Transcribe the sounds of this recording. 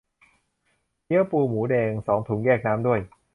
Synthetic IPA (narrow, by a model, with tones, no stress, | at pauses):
ji˦˥əpuː˧muː˩˦deː˧ŋsɔː˩˦ŋt̪ʰu˨˩˦ŋɡɛː˥˩k̚naː˦˥mdu˥˩əj